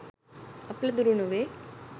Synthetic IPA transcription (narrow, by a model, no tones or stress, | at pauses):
ɐplɐd̪uɾunuʋe